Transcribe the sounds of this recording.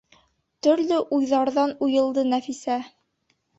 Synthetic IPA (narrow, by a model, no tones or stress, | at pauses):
t̪ɵ̆ɾlɵʔujðɑɾðɑnujɤ̆lˠd̪ɤnæfisæ